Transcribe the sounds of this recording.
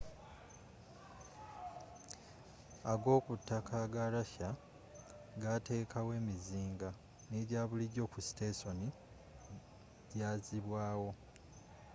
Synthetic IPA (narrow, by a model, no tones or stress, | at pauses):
aɡo̞ːkutʰːakʰaɡalaça | ɡate̞ːkʰawe̞ːmiziːŋɡa | neɾjaːβuliɟo̞ːkusteso̞ni | ɟaːziβwaːwo̞